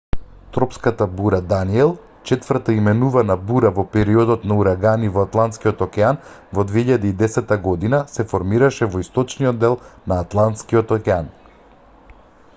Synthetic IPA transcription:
t̪ɾɔpskat̪abuɾad̪aniɛlˠ | t͡ʃɛt̪vəɾt̪aimɛnuvanabuɾavɔpɛɾiɔd̪ɔt̪nauɾaɡanivɔat̪lˠant̪skiɔt̪ɔkʲɛan | vɔd̪vɛiʎad̪iːd̪ɛsɛt̪ːaɡɔd̪inasɛfɔɾmiɾaʃɛvɔist̪ɔt͡ʃniɔd̪ːɛlˠnaːt̪lˠant̪skiɔt̪ɔkʲɛan

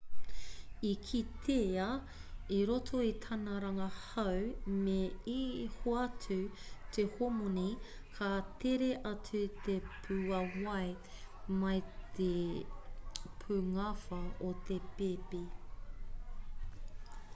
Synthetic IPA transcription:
ikʰit̪ʰeɐ | iɾotʰoit̪ʰɐnɐɾɐŋɐhɐwmeihoɐtʰʉt̪ʰehomoni | kʰat̪eɾeʔɐt͡sʉt̪epʰʉɐwɐj | mɐjt̪ʰe | pʰuŋɐfɐot̪epepi

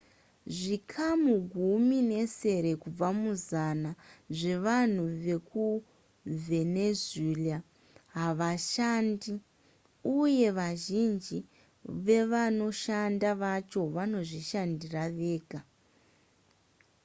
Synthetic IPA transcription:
ʐikʰamuɡʱumine̞se̞ɾe̞kub͡vamuzanaʐe̞ʋan̤uʋe̞ku | ve̞nezela | ɦaʋaʃandi | uje̞ʋaʒind͡ʒi | ʋe̞ʋano̞ʃandaʋat͡ʃo̞ʋano̞ʐiʃandiraʋe̞ːɡʱa

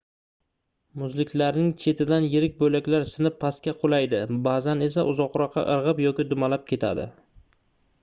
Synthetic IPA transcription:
mʊzlɪkʲlaɾnɪŋt͡ʃʰe̞t̪ʰɪd̪anjɪɾɪk̚ʲbojlakʲlaɾsɪnɪpʰːaskʲaqʰolˠajd̪ɪbazane̞s̬aʔʊzɒqɾɒqʰːɑ̰ʔɨɾʁɨpjɒkʲɪd̪ʊmalap̚kʲʰe̞t̪ʰa̰d̪ɪ̰

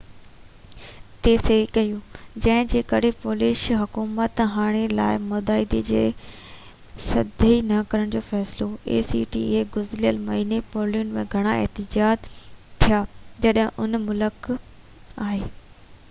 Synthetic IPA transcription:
t̪eːseikɐjũːd͡ʑɐ̃ɦɪ̃d͡ʑeːkəɽepoːlɪʃɦɐkuːmət̪ɦaːɽ̃ela̰ːɪmʊd̪aːɪd̪ed͡ʑeː | sɐd̪ʱəinɐkɐɾəɽ̃d͡ʑoːfɛːsɪloḛːsḭʈḭːeɡʊzljəlmɐɦiːnepoːliʊnmẽɡʱɐɽ̃aḛɦt̪ɪd͡ʑaːd̪t̪ʰːijaːd͡ʑɐɗɦɪ̃ʔʊnmʊlək | aːɦeː

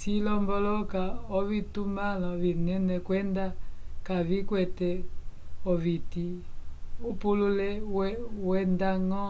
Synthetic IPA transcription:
silɔmbɔlɔkaɔvitumalɔvinɛnɛkwɛndakavikwɛtɛ | ɔviti | upululɛwɛwɛndaŋɔ

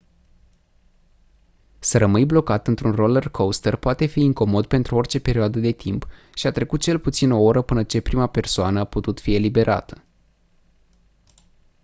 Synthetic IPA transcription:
səɾəmɨjblo̞kat̪ɨnt̪ɾunro̞lərkʰowst̪ərpoat̪e̞fiːŋko̞mo̞d̪̚pe̞nt̪ɾuo̞rt͡ʃe̞pe̞ɾioad̪əd̪e̞t̪ʰimp | ʃiat̪ɾe̞kut̪̚t͡ʃe̞lput̪sino̞oɾəpɨnət͡ʃe̞pɾimape̞rsoanəaput̪ut̪fie̞libe̞ɾʔa̰t̪ə̥

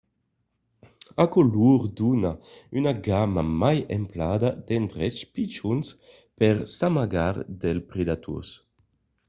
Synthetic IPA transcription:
akɔluɾd̪unaynaɡamamajɛ̰mplad̪ad̪ɛnd̪ɾɛt͡ʃpit͡ʃuns | pɛʁsamaɡaɾd̪ɛlpɾed̪at̪ʰṵs

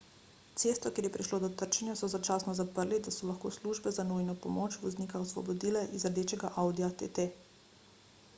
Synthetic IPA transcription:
t̪seːst̪ʋɔkjeːɾjɛpɾiʃloːd̪ɔt̪əɾt͡ʃɛnjasɔzat͡ʃaːsnɔzapəɾlid̪asɔlaxkoːsluʒbɛzanujnɔpɔmoːt͡ʃʋɔznikaɔsʋɔ̰bɔd̪iːlɛʔizɾd̪eːt͡ʃɛɡaʔawd̪iat̪ḛt̪e

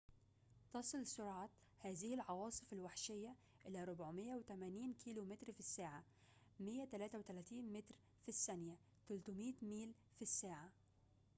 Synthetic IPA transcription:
t̪ɑsˤɨlsʊɾʕɑ | hæːzɪhɪlʕɑwɑːsˤɨfɪlwaħʃɪjːæ | ʔɪlæɾˤʊbʕmɪjːawt̪æmæːniːnkiːlumɪt̪ɾfisːaːʕa | mɪjːæt̪ælæːt̪æwt̪ælæːt̪iːnmɪt̪ɾ | fisːænjæ | t̪ælt̪ʊmiːt̪miːl | fisːaːʕa

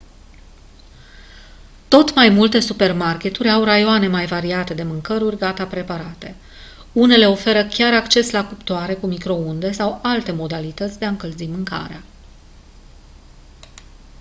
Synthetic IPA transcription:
t̪o̞t̪majmult̪e̞supe̞rmarkʲe̞t̪urʲawrajoane̞majvaɾiat̪e̞d̪e̞mɨŋkəɾurʲɡat̪apɾe̞paɾat̪e̞ | une̞le̞o̞fe̞ɾəkʲaɾakt͡ʃe̞slakupt̪oaɾe̞kumikɾo̞und̪e̞sawalt̪e̞mo̞d̪alit̪ət̪sʲd̪e̞aɨŋkəlzimɨŋka̰ɾea

